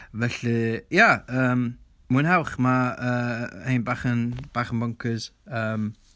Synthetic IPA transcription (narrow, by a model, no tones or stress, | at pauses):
vɛɬɨjaəːm | mɨnhawχmaəːhejnbaːχənb̥aːχənbɔŋkʰɨz̥əːm